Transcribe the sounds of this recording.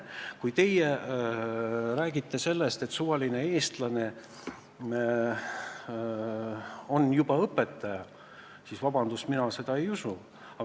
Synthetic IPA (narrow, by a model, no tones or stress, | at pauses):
kujt̪e̞je | ræːɡit̪ˑːe̞se̞lːest̪e̞t̪suvɑline̞e̞ːst̪lɑne̞ | o̞njubɑɤpːˑe̞t̪ːˑɑjɑ | sisvɑb̥ɑnd̪̥usminɑse̞d̪̥ɑe̞jusu | ɑ